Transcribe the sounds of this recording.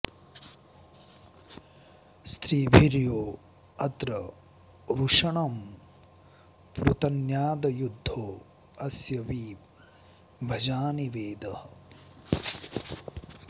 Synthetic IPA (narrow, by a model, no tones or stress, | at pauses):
st̪ʰɾiːbʱiɾjoː | ɐt̪ɾɐ | ɾuʂɐɳɐm | pɾut̪ɐnjaːd̪ɐjud̪ʱːoː | ɐsjɐʋiː | bʱɐd͡ʒaːniʋeːd̪ɐhɐ